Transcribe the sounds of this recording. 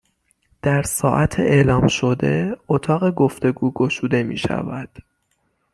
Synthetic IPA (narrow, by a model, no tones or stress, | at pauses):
d̪̥æɾsɒːʔæt̪ʰeʔeːlɒːmʃod̪e̞ot̪ʰɒːɣe̞ɡoft̪e̞ɡuːɡoʃuːd̪e̞mḭːʃæ̰væd̪̥